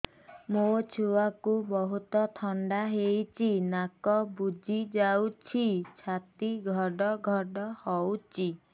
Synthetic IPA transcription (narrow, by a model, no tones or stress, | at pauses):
mot͡ʃʰuwakubɔɦut̪ɔt̪ʰɔɳɖaɦejt͡ʃʰinakɔbud͡ʒʱid͡ʒawt͡ʃʰit͡ʃʰat̪iɡʱɔɖɔɡʱɔɖɔhɔwt͡ʃʰi